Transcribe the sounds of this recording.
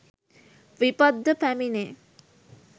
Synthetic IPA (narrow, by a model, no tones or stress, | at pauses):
ʋipad̪ːəpæmine